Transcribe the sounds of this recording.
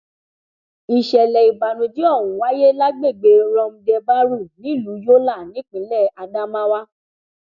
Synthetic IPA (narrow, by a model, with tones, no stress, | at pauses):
i˧ʃɛ˧lɛ˧i˨ba˨nũ˧d͡ʒi˦ɔ˦˨wũ˨wa˦je˦la˦ɡ͡be˦˨ɡ͡be˨˧ɾɔ̃˧m̩̃˧dɛ˧ba˦ɾu˦˨nĩ˨˦˨lu˨˦jo˦la˦˨nĩ˨˦k͡pĩ˨˦lɛ˦˨a˧da˦mã˦wa˦